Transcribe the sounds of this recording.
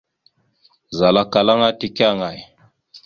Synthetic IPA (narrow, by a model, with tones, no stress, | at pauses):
za˨la˦ka˨la˦ŋa˦ti˦ka˦˨ŋa˨j